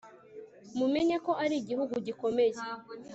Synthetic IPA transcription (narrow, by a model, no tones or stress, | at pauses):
mume̞ɲako̞ʔaɾiɟihuɡuɟiko̞me̞je